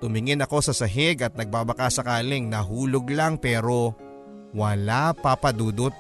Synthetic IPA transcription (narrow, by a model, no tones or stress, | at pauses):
t̪ʊmɪŋɪnɐko̞sɐsɐɦɪɡɐt̪̚nɐɡ̚babɐkasɐkaːlɪŋnɐɦuːloɡlaŋpɛːɾo̞ | wɐlapapɐd̪uːd̪ot̪̚